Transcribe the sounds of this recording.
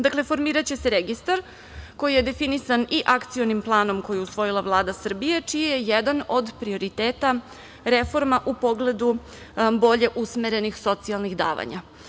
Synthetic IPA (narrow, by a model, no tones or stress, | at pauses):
d̪akle̞fo̞ɾmiːɾat͡ɕe̞seɾeɡist̪aɾ | ko̞jije̞d̪e̞finisaniʔakt̪sionimplˠaːno̞mko̞jijɛusʋo̞jilˠavlˠaːd̪asr̩bije̞t͡ʃijijejed̪ano̞d̪pɾio̞ɾit̪eːt̪a | ɾefo̞ɾmaʔupo̞ɡle̞d̪u | bo̞ʎe̞ʔusmeɾe̞nixso̞t̪sialˠnixd̪a̰ːʋa̰ɲa̰